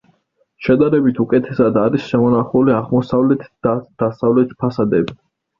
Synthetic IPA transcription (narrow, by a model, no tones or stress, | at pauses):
ʃɛd̪aɾɛbit̪ʰukʼɛt̪ʰɛsad̪aɾisʃɛmɔnaχuliaʁmɔsavlɛt̪ʰd̪̥asavlɛt̪ʰpʰasad̪ɛbi